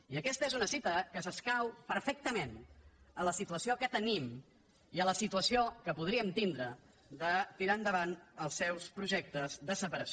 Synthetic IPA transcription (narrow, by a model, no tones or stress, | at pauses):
iəkɛst̪əezunəsit̪əkəsəskawpəɾfek̚t̪əmenələsit̪uəsiokət̪ənim | iələsit̪uəsiokəpuð̞ɾiəmt̪ind̪ɾə | ðət̪iɾaənd̪əβanəlˠsːɛwspɾuʒɛk̚t̪əzðəsəpəɾəs